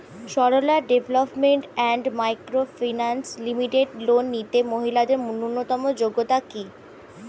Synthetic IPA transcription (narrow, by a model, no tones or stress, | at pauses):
ʃɔɽolaɖebʱelopmeɳʈɛɳɖmajkɾofinanslimiʈeɖlonːit̪emoɦilad̪eɾmununːot̪ɔmod͡ʑoɡːot̪aki